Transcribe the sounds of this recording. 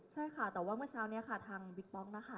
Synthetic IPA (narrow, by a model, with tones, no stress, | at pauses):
t͡ɕʰa˥˩jkʰa˥˩t̪ɛː˨˩waː˥˩mɯ˥˩ət͡ɕʰaː˧˥wni˦˥ɐkʰa˥˩t̪ʰaː˧ŋwi˧˩k̪̚p̪ɔː˦˥˩ŋna˧˥xʰa˥˩